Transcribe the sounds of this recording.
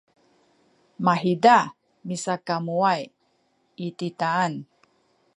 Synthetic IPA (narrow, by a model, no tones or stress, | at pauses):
maɦida | misakamuaj | it̪it̪aːn